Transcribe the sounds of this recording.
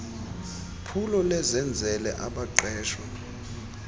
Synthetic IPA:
pʰulɔlɛzɛnd͡zʱɛlɛʔaɓaǃɛːʃwa

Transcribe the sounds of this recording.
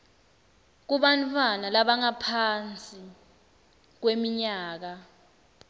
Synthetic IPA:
k̬uɓantʰʼwanalaɓaŋapʰant͡sʼi | k̬wemiɲaːk̬a

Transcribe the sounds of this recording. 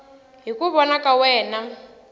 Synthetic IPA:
ɦikuβɔnakawɛːna

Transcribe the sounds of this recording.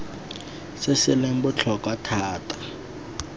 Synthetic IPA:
sesɪlem̩bʊt͡ɬʰɔkwatʰaːtʰʼḁ

